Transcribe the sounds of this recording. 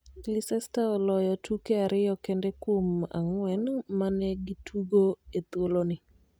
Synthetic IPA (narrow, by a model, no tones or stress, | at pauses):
lisɛstaɔlɔjɔtʰukeaɾɪjɔkɛndɛkwoma̰ŋwɛnmanɛɡitʰuɡoet̪wolonɪ